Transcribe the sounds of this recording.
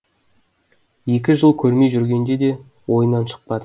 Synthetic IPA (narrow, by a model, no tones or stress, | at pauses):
je̞k̬ʲɪʒəlˠkʲʰɵɾme̞jʒʏɾɡʲe̞nd̪e̞d̪e̞ | wo̞jənːɑnʃə̥q̚pɑd̪ə